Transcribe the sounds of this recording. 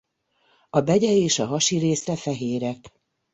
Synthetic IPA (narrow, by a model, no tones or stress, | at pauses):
ɒbɛɟɛeːʃɒɦɒʃiɾeːsɛfɛɦeːɾɛk